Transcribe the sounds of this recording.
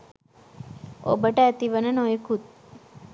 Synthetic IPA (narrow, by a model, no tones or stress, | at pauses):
o̰bəʈat̪iʋənənoekʰut̪̚